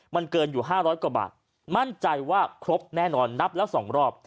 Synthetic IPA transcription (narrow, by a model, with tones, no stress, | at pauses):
ma˧nkɤː˧njuː˨˩ɦaː˥˩ɾɔː˦˥jkwa˧˩ba̰ː˨˩t̪̚ | ma˥˩nt͡ɕa˧jwaː˥˩kʰɾo˦˥p̚nɛː˥˩nɔː˧nːa˦˥p̚lɛː˦˥˩wsɔː˩˦ŋɾɔː˥˩p̚